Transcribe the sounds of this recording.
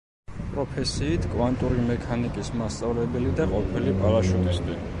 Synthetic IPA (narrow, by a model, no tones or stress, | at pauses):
pʼɾɔpʰɛsiːt̪ʰkʼwant̪ʼuɾimɛkʰanikʼismast̪sʼavlɛbɛlid̪aqʼɔpʰilipʼaɾaʃunisd̪i